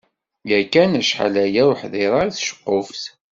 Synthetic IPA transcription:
jækːænæʃħa̰læjæwħðeɾˤɑɾiθʃə̥qːʊfθ

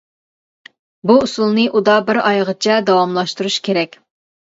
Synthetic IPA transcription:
buusulˠnɨʔud̪ɑbɪɾɑjʁət͡ʃʰɛd̪ɑwɑmlˠɑʃt̪uɾuʃkʲʰeɾɛkʲ

